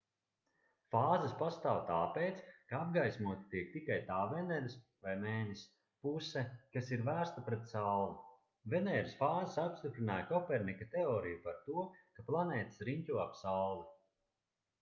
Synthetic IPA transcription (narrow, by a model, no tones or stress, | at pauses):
faːzɐspast̪aːwt̪aːpejt̪skaab̚ɡajsmuɔt̪ʲi̥t̪iɛk̚t̪ikajt̪aːvɛnɛɾis | vajmeːnʲis | pusekasiɾvæːɾst̪apɾɛt̪sawlˠu | venɛːɾisfaːzasapst̪ipɾinaːjkɔpɛɾnikat̪eɔːɾijupaɾt̪uɔkaplˠanɛːt̪i̥sɾiɲʲcʲuɔapsawlˠi